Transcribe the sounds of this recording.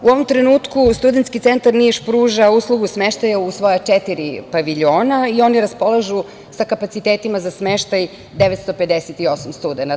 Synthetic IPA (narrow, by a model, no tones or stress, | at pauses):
uo̞ʋo̞mt̪ɾenuːt̪kust̪ud̪ent̪skit̪sent̪aɾniʃpɾuːʒauslˠuɡusmeʃt̪ajausʋojat͡ʂet̪iɾipaʋiʎo̞ːnaio̞niɾaspo̞laʒu | sakapat̪sit̪eːt̪imazasmeʃt̪aj | d̪eʋet̪st̪o̞ped̪eset̪io̞samst̪ud̪ena